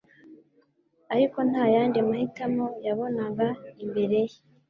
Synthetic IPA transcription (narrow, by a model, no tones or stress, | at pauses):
aɾiko̞n̥hajaːndimahitamo̞jaβo̞naŋɡaimbe̞ɾe̞je